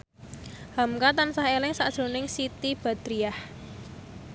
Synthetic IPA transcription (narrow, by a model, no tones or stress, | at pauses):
hamkat̪ansahelɪŋsad̥ʒ̥o̤nɪŋsit̪ib̥a̤d̪̥ɾiah